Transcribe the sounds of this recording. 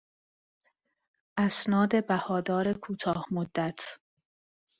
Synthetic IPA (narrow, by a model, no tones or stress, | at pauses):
ʔæsnɒːd̪e̞bæhɒːd̪ɒːɾe̞kʰuːt̪ʰɒːhmod̪ːæt̪ʰ